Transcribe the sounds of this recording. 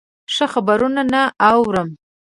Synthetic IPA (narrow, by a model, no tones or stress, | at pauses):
ʂəxabaɾunanaʔawɾəm